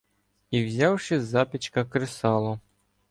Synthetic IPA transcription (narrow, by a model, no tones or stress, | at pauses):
iwzʲɑwʃɪzɑpʲit͡ʃkɐkɾɪsɑlˠɔ